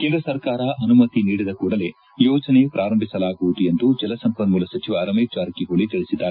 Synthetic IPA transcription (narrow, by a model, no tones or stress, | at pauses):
keːnd̪ɾɐsɐɾkaːɾɐʔɐnumɐt̪iniːɽid̪ɐkuːɽɐle̞ | jɔːd͡ʒɐne̞pɾʔaːɾɐmbʱisɐlaːɡuʋud̪uje̞nd̪ud͡ʒɐlɐsɐmpɐnmuːlɐsɐt͡ʃiʋaːɾɐmet͡ʃaːɾɐkiɦoɭit̪iɭisid̪ːaːɾe